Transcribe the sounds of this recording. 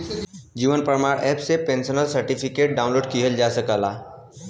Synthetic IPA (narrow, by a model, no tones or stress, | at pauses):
d͡ʒiːʋənpɾəmaːɽɛːpsepẽnsənəlsəɾʈipʰikeːʈ̚ɖaːʊnloːɖkiɦəld͡ʒaːsəkəlaː